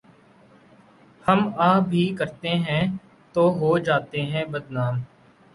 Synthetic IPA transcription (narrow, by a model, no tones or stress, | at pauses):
həmaːbʱiːkəɾt̪eɦɛ̃ː | t̪oːɦoːd͡ʒaːt̪eɦɛ̃ːbəd̪naːm